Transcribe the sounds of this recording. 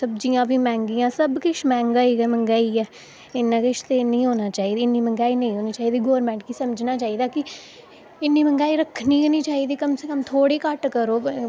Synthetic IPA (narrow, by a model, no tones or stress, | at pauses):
səb̚d͡ʒijãːbʱiːmɛ̃ːŋɡiːãːsəbkɪʃmɛ̃ːŋɡaːiːɡɛːməŋɡaːiːɛː | ɪnːãːkɪʃt̪eːnĩːɦoːnaːt͡ʃaːiːd̪iːɪniːməŋɡaːiːnə̃ĩːɦoːniːt͡ʃaːiːd̪iːɡɔːɾmɛ̃ːɳʈkiːsəmd͡ʒnaːt͡ʃaːiːd̪aːkɪ | ɪnːiːməŋɡaːiːɾəkʰniːɦoːniːt͡ʃaːiːd̪iːkəmseːkəmt̪ʰoːɽeːkəʈkəɾoː